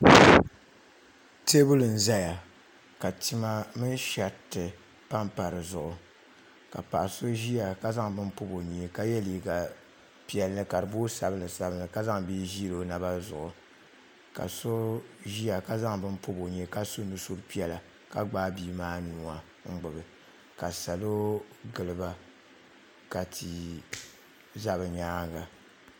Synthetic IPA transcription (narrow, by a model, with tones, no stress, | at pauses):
te˦bʊ˦lɨ˨n̩˨za˦ja˨ | ka˨ti˦ma˦mɨ˦n˦ʃa˨tːɨ˨ | pa˦mpa˨ɾɨ˨zʊ˨ʔʊ˨ | ka̰˨pa̰˨ʔso˦ʒi˦a˨ka˦za˦ŋbɨ˦mpu˦bo˨ɲe˨ka˦jɛ˦li˨ɡa˨ | pi˨ɛ˨lnɨ˦ka˨ɾɨ˨bo˦sa˨bɨ˦nɨ˨sa˦bɨ˦nɨ˨ka˦za˦ŋbi˦ʒi˦lo˨na˨ba˦zʊ̰˨ʔʊ˨ | ka̰˨so˦ʒi˦a˨ka˦za˦ŋbɨ˦mpo˦bo˨ɲɛ˨˦ka˦so˦nɨ˨so˦ɾpi˦ɛ˨la˨ | ka˦ɡ͡baː˦biː˦maː˦nuː˦a˨ | ŋ̩˦ɡ͡bɨ˨bɨ˨ | ka˨sa˨lo˦ | ɡɨ˨lɨ˨ba˦ | ka˨tʰi˨ | za˦bɨ˨ɲaː˦ŋ˦ɡa˨